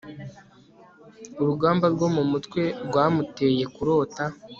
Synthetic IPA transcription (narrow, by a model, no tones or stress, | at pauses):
uɾuɡaːmbaɾɡo̞mumutkwe̞ɾɡwaːmute̞je̞kuɾo̞ːta